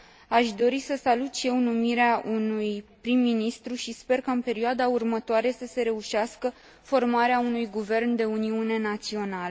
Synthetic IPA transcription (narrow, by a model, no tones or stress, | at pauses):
aʃd̪o̞ɾisəsalut̪ʃije̞wnumiɾeaʔunujpɾimːinist̪ɾuʃispe̞rkaɨnpe̞ɾioad̪aurmət̪oaɾe̞səse̞ɾe̞uʃaskə | fo̞rmaɾeaunujɡuve̞rnd̪e̞uniune̞nat̪sio̞nalə